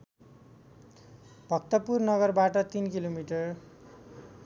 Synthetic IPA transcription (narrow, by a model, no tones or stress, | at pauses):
b̥ʱʌk̚t̪ʌpurnʌɡʌrbaʈʌt̪inkilomiʈʌr